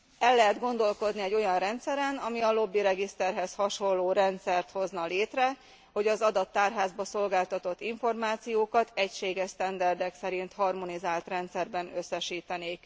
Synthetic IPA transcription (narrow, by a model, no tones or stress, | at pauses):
ɛlːɛɦɛd̪ɡo̞nd̪o̞lko̞d̪niɛɟːo̞jɒnrɛnt̪sɛɾɛnɒmiɒlo̞bːiɾɛɡist̪ɛrɦɛshɒʃo̞lːoːɾɛnt̪sɛrt̪ho̞znɒleːt̪rɛ | ho̞ɟɒzɒd̪ɒt̪ːaːrɦaːzbɒso̞lɡaːlt̪ɒt̪o̞t̪ːiɱfo̞rmaːt̪sijoːkɒt̪ɛcʃeːɡɛʃst̪ɛnd̪ɛrd̪ɛksɛɾint̪hɒrmo̞nizaːlt̪rɛnt̪sɛrbɛnøsːɛʃiːt̪ɛneːk